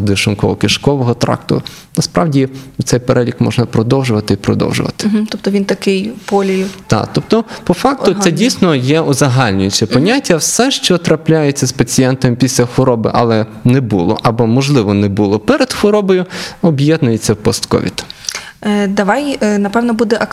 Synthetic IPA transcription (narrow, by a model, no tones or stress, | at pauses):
d̪ɪʃʊnkɔ̰ɦɔkɪʃkɔʋɔɦɔt̪ɾɑ̰kt̪ɔ̰ʊ | nɐspɾɑwdʲiut̪sɛjpeɾʔɛlʲikmɔ̰ʒnɐpɾɔd̪ɔwʒʊʋɐt̪ɪipɾɔ̰d̪ɔ̰wʒʊ̰ʋɐ̰t̪ɪ̥ɦt̪ɔp̚t̪ɔʋʲint̪ɐkɪjpɔlʲijt̪ɑ̰t̪ɔpt̪ɔpɔfɑk̪̚ʊɛdʲijsnɔjɛɔzɐɦɑlʲnʲʊjʊt͡ʃɛpɔnʲatʲːɐwsɛʃt͡ʃɔt̪ɾɐplʲajet͡sʲːɐspɐt͡sʲijɛnt̪ɐmpʲisʲlʲɐxʋɔɾɔbɪ̰ʔɐ̰lˠɛ | nɛbulˠɔ̰ʔɐbɔmɔʒlˠɪʋɔnɛbulˠɔpɛɾed̪xɔɾɔbɔjʊɔbjɛd̪nʊjet͡sʲːɐwpɔst̪kɔ̰ʋʲḭt̪ | d̪ɐʋɑjnɐpɛwnɔbud̪ɛʔɐ